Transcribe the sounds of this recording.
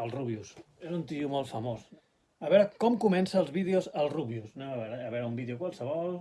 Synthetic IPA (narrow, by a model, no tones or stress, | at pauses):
əlˠruβius | ezunt̪iumɔlˠfəmos | əβɛɾəkɔmkumɛnsəːlˠzβið̞eozəlˠruβjusnɛmaβɛɾəːβɛɾəumbiðeukwalˠsəβɔl